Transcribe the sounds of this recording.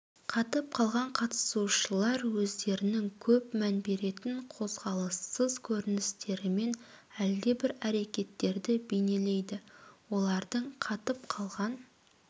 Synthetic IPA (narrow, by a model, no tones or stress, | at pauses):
qʰɑt̪əp̚qʰɑlˠʁɑɴqʰɑt̪ə̥suʃəlˠɑɾwɵzd̪e̞ɾɪnɪŋkʲʰɵpmænbe̞ɾe̞t̪ɪɴqʰo̞zʁɑlˠəsːəzkʲʰɵɾɪnɪst̪e̞ɾɪme̞n | æld̪e̞bɪɾæɾe̞kʲe̞t̪ːe̞ɾd̪ɪbe̞jne̞le̞jd̪ɪwo̞lˠɑɾd̪əɴqʰɑt̪əp̚qʰɑlˠʁɑn